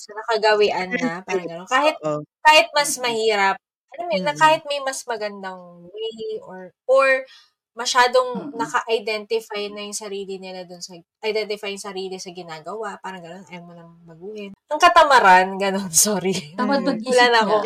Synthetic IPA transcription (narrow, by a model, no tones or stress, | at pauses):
sɐnɐkɐɡɐwɪʔɐnːɐpaːɾɐŋɡɐno̞nkaːhɪt̪̚kaːhɪt̪̚mɐsmɐhiːɾɐp̚ | ʔɐlomnɐkaːhɪt̪̚mɐjmɐsmɐɡɐnd̪ɐŋwɛjoɹʔoɹ | mɐʃaːd̪o̞ŋnɐkɐʔɐjd̪ɛnt̪ɪfajnɐjʊŋsɐɾiːlɪnɪlad̪ʊnsɐʔɐjd̪ɛnt̪ɪfajʊŋsɐɾiːlɪsɐɡɪnaːɡɐwaʔpaːɾɐŋɡɐno̞nʔɐjɐmːonɐŋbɐɡuːhɪnʔɐŋkɐt̪ɐmɐɾanɡɐno̞nsoːɾimɐɐulɐnɐko